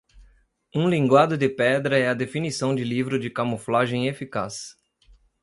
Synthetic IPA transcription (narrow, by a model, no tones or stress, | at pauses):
ũlĩŋɡwad̪ʊd̪ɪpɛd̪ɾɐɛɐd̪efinisɐ̃w̃d͡ʒɪlivɾʊd͡ʒɪkamoflaʒẽj̃efikas